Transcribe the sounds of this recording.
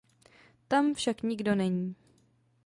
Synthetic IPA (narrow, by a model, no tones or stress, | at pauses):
t̪amfʃakɲɪɡdo̞nɛɲiː